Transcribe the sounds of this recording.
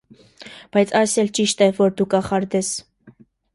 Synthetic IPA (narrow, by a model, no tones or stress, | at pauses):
b̥ɑjt͡sʰɑjsɛlt͡ʃiʃt̪ɛvɔɾd̪ukɑχɑɾd̪ɛs